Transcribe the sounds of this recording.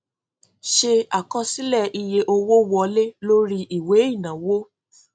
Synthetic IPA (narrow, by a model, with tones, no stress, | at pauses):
ʃe˧a˨kã˧si˦lɛ˦˨i˧je˧ʔo˧wo˦wɔ˧le˦lo˦ɾi˦ʔi˦˨we˨˦i˦˨nã˨wo˦